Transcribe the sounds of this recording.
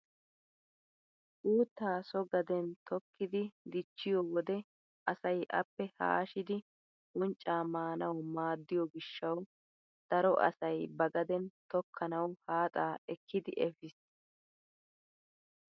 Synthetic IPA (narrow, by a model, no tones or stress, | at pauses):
ʔuːt̪ːaːsɔɡɐd̪ɛnt̪ɔkːɪd̪ɪd̪ɪt͡ʃːɪjɔwɔd̪ɛ | ʔɐsɐjʔɐ̰pːɛha̰ːʃɪd̪ɪ | ʔʊnt͡ʃʼːaːmaːnɐwmaːd̪ːɪjɔɡɪʃːɐw | d̪̥ɐɾɔʔɐ̰sɐjbɐɡɐd̪ɛnt̪ɔkʰːɐnɐwhaːt̪ʼaːɛkːɪd̪ɪʔɛfɪs